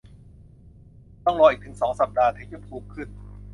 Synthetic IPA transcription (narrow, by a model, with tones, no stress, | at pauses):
t̪ɔ˥˩ŋlɔː˧ʔiː˨˩k̪̚ʰɯ˩˦ŋsɔː˩˦ŋsa˨˩p̚daː˧t̪ʰiː˧˩t͡ɕa˧˩pʰuː˧˩mkʰɯ˥˩n